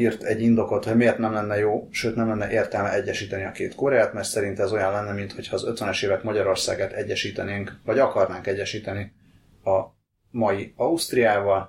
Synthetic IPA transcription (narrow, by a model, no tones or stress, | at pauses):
irt̪ɛɟːind̪o̞ko̞t̪hoɟmeːrt̪nɛmlɛnːɛjoːʃøːt̪nɛmlɛnːɛʔeːrt̪ɛlmɛɛɟːɛʃiːt̪ɛniɒkḛːt̪koɾɛaːt̪mɛrt̪sɛɾint̪ɛzo̞jɒnlɛnːɛmint̪ho̞cʰhɒːzø̞t̪ʋɛnɛʃeːvɛkmɒɟɒɾo̞rsa̰ːɡaːt̪ɛɟːɛʃiːt̪ɛneːŋkvɒɟɒkɒrnaːŋkɛɟːɛʃiːt̪ɛni | ɒ | mɒjiɒust̪rijaːvɒl